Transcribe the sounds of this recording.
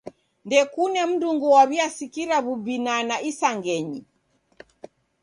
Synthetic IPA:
ndɛkunɛm̩duŋɡuwaβiasikiɾaβubinanaʔisaŋɡɛɲi

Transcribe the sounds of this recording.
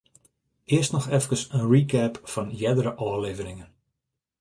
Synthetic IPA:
ʔɪəstnɔxɛfkəsənrikʰɛpfɔnjɛdəɾəʔɔːleːvənɪŋən

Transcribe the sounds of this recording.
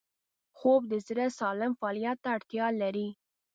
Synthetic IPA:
xob̚d̪əzɾəsɑlɪmfɑɑlijat̪ːaːɽt̪jɑlaɾi

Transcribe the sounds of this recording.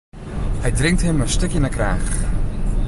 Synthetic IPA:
hɛjdrɪŋk̚tɦəmənstøkjənakraːχ

